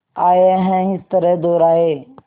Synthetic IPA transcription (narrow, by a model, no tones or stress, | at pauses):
aːeəɦɛ̃ːɦɪst̪əɾɛd̪oːɾaːɦeː